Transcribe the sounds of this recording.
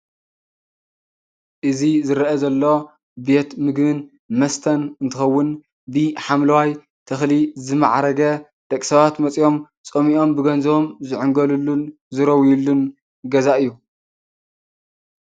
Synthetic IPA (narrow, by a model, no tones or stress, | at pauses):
ʔɨzizɨɾɐʔɐzɐlːo̞ | be̞t̪mɨɡβɨn | mɐst̪ʰɐnɨnt̪ʰɨxɐwːʊn | bɨħamlɐwaj | t̪ʰɐxlizɨma̰ʕaɾɐɡɐ | d̪̥ɐkʼsɐβat̪mɐt͡sʼjo̞m | t͡sʼomiʔo̞mbɨɡɐnzɐβomzɨʕʊŋɡɐlulːun | zɨɾɐwjulːun | ɡɐzaʔɨjːu